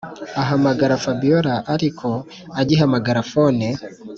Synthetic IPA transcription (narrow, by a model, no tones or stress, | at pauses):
aɦamaɡaɾafabijoɾaʔaɾikʰo | aɟiɦamaɡaɾafone